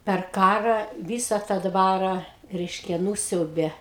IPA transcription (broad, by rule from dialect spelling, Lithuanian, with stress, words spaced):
pʲɛr ˈkɑːrɐ ˈʋʲiːsɐ tɑː ˈdʋɑːrɐ ˈrʲɛɪʃʲkʲɛ ˈnuːsʲɛʊbʲeː